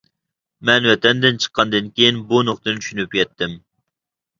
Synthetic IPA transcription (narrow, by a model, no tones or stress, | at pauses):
mɛnwɛt̪ɛnd̪ɪnt͡ʃʰə̥qʰːɑnd̪ɨnkʲejinbunoqt̪ɨnɨt͡ʃ̪ʰy̥ʃynypjʲɛt̪ʰːɪm